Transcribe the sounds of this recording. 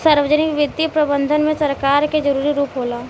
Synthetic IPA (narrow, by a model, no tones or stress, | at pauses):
saːɾʋəd͡ʒənɪkʋɪd̪ːipɾɐbə̃nd̪ʱənmẽsɐɾkaːɾked͡ʒɐɾuːɾiɾuːpɦoːlaː